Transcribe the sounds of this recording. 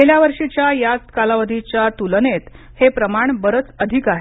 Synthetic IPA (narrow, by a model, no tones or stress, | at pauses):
eljaʋəɾʂit͡ɕjajad͡zkalaʋəd̪ʱit͡ɕjat̪ulənet̪ | hepɾəmaɳbəɾət͡səd̪ʱikaɦe